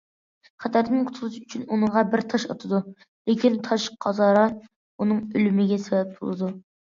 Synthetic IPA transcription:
χæt̪ʰæɾɨnɨŋqʰʊ̥t̪ʰlˠɨʃyt͡ʃʰynunɨŋʁɑbɪɾt̪ʰɑʃɑt̪ʰɨd̪u | lɪkʲint̪ʰɑʃqʰɑzɑːɾɑ | unɨŋølymɪɡʲɛsɛbɛp̚b̪ṵlˠɨd̪u

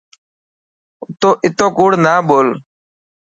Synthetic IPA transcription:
ʊt̪oːʔɪt̪õːkuːɽnaːboːl

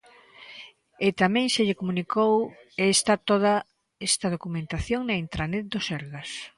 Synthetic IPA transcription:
ɪt̪amɛ̃ŋʃeʎekomunikow | st̪at̪oða | est̪ɐð̞okumẽnt̪aθjoŋnɐint̪ɾanet̪̚d̪osɛɾɣɐs

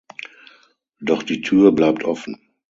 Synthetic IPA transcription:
d̥ɔχd̥iːtʰyːɐblaɪp̚tʰʔɔfn̩

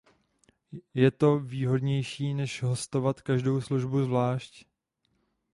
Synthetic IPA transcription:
jɛt̪o̞viːɦo̞dɲɛjʃiːnɛʃɦo̞st̪o̞vat̪kaʒdo̞wsluʒbuzvlaːʃc

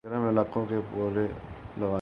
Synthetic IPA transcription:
ɐɾəmɪlaːqõkepuːɾelɐʋaː

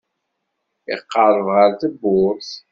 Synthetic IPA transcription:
ɪ̰qːəɾˤəvʁəɾθəbːʊɾθ

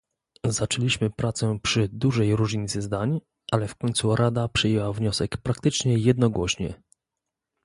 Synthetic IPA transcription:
zat͡ʂɛlʲiɕmɘpɾat̪sɛpʂɘd̪uʐɛjɾuʐɲit̪sɘzd̪aɲ | ʔalɛfkɔɲʲt̪suɾʔad̪apʂɛjɛwavɲɔsɛkpɾakt̪ɘt͡ʂɲɛjɛd̪nɔɡwɔɕɲɛ̰

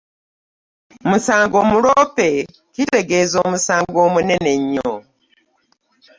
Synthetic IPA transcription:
musaːŋɡoːmuɾope | kiteɡezomusaːŋɡoːmune̞ne̞ɲːo

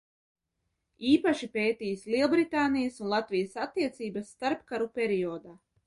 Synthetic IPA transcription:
iːpaʃipeːt̪ijslˠiɛlˠbɾit̪aːnijəsunlˠat̪vijəsat̪ːiɛt̪siːbasːt̪aɾpkaɾupʲeɾiɔːd̪aː

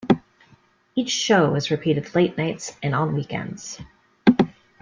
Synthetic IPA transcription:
it͡ʃʃoʊʌzɹɨpʰiɾɨdˡleɪtⁿnaɪtsɨ̃ñn̩wikɛ̰̃ndz̥

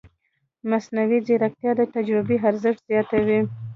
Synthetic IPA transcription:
masnawizeɾak̚t̪jɑd̪ət̪ad͡ʒɾɪbeɦaɾzəʂʈ̪z̥jɑt̪awi

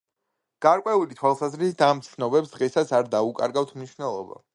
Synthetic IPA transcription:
ɡ̥aɾkʼwɛulit̪ʰwalˠsazɾisit̪ʰamt̪sʰnɔbɛpsd̪ʁɛsasaɾd̪aukʼa̰ɾɡaft̪ʰmniʃvnɛlˠɔba̰

